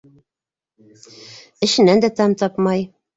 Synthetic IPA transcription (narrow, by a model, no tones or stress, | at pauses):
ɘ̆ʃɘ̆nænd̪æt̪ɑmt̪ɑpmɑj